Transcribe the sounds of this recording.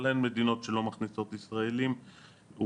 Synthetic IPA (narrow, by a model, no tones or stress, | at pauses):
laenme̞d̪ino̞tʃe̞lo̞maχniso̞t̪isʁaelim